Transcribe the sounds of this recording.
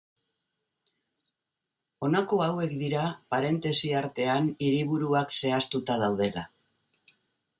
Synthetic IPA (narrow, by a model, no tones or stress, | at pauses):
o̞nako̞awe̞kd̪iɾapaɾe̞nt̪e̞siaɾt̪e̞aniɾiβ̞uɾuakse̞ast̪ut̪að̞awð̞e̞la̰